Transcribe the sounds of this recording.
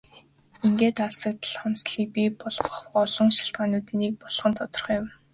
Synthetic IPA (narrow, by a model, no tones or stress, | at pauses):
iŋɡeːt̪asə̆k̚t̪ə̆ɮχɔmsɮiːk̚pipɔɮɞ̆χɔɮɞ̆ŋʃḁɬt̪ɢaːnuːt̪iːniːk̚pɔɮχə̆nt̪ʰɔt̪ɞ̆rχjʊm